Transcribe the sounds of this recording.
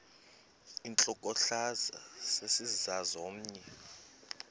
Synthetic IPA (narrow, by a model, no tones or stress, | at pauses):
int͡ɬʼɔkʼɔɬazasesizazom̩ːɲɛ